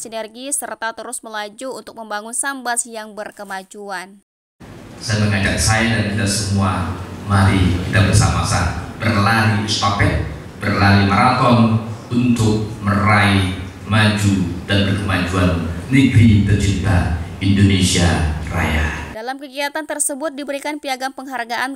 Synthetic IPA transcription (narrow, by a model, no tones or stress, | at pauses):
sinɛrɡisərt̪at̪əɾʊsməlad͡ʒuːnt̪ʊk̚məmbaŋʊnsambasjaŋbərkəmad͡ʒuan | sajaməŋad͡ʒak̚sajadankit̪asəmuamaɾikit̪abərsa̰ma̰sa̰b̥ərlaɾiust̪apɛʔ̚ | b̥ərlaɾimaɾat̪ɔnunt̪ʊk̚mərai | mad͡ʒudanbərkəmad͡ʒuanːiɡɾit̪ərt͡ʃint̪aindonesiara̰jadalamkəkiat̪ant̪ərsəbʊt̪̚dibəɾikanpiaɡaŋpəŋɦarɡaʔan